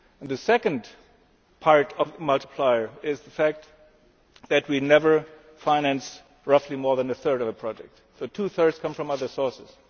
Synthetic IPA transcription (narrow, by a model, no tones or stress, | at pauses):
ə̃nðɨsɛkɨ̃nd | pʰɑɹɾʌvmʌlˠtə̥pʰl̥aɪə˞ɪzðəfæk̚t̪ | ðɨt̚winɛvə˞ | fãɪ̃næ̃ns | ɹʌflimɔɹðɨ̃nɨθɜ˞ɾʌvəpʰɹ̥ɑd͡ʒɛ̰k̚t | soʊtʰuθɜ˞dz̥kʰʌ̃ɱfɹʌ̃mʌðə˞sɔɹsɨz̥